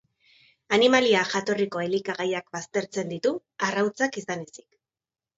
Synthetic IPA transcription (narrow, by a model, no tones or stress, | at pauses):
animaliaxat̪o̞riko̞e̞likaɣajak̚bast̪e̞ɾt͡se̞nd̪it̪u | arawt͡sakisane̞si̥k